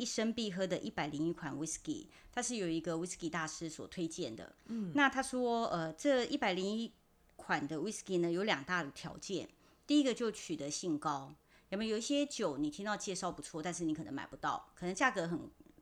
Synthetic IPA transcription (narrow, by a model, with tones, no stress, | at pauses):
i˥˩ʂə˥ŋpi˥˧˩xɤ˥d̪ə˨ʔi˥˩pa˨˩ɪli˧˥ŋi˧˥kʰwa˨˩nwi˥skḭ˧˩ | t̪ʰa˥ʂɻ̩˥˩jo˨˩ʊi˧˥ɡə˧wi˥ski˧t̪a˥˩ʂɻ̩˥swɔ̰˨˩t̪ʰwe˥ɪt͡ɕjɛ˥˩nd̪ə̰˩na˥˧t̪ʰa˥ʂwɔ˥ə˧˨ʈ͡ʂɤ˥˧i˥˩pa˨˩ɪli˧˥ŋi˥ | kʰwa˨˩nd̪ə˦wi˦˥ski˥nə˨jo˧˥ʊljɑ˨˩ŋt̪a˥˩d̪ə˩t̪ʰjɑ̰˧˥ʊt͡ɕjɛ˥˩n | t̪i˥˩i˦˥ɡə˧t͡ɕjo˥˩ʊt͡ɕʰy˨˩t̪ə˦ɕi˥˩ŋkɑ˥ʊ | a˨˩mɛ˧˥jo˨˩i˥˩ɕjɛ˥t͡ɕjo˨˩ʊni˨˩i˥ŋt̪ɑ˥˧ʊt͡ɕjɛ˥˧ʂɑ˥˩ʊpu˧˥t͡sʰwɔ˥˧t̪a˥˧nʂɻ̩˥˩ni˧˥kʰn̰˧˦ma̰˨˩ɪpu˧˦t̪ɑ˥˩ʊkʰɤ˨˩nə˧˥ŋt͡ɕja˥˩kɤ˧˥xə˨˩n